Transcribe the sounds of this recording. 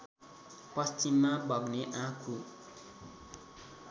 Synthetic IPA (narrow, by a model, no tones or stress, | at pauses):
pʌst͡ɕimːabʱʌɡneʔãkʰu